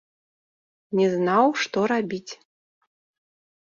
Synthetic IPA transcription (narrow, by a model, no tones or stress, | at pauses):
nʲɛznawʂt̪ɔɾabʲit͡sʲ